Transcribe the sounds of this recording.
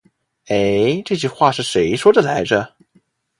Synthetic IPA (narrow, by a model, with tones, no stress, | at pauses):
e˧˥ɪʈ͡ʂɤ˥˧t͡ɕy˥˧xwa˥˧ʂɻ̩˥˩ʂe˧˥ɪʂwɔ˥d̪ə˨la˧˥ɪʈ͡ʂə˥˧